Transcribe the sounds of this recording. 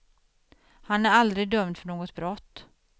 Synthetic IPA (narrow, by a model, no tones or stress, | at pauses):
hanæɾald̪ɾɪɡ̚d̪œmd̪fœɳoːɡɔt̪bɾɔt̪ː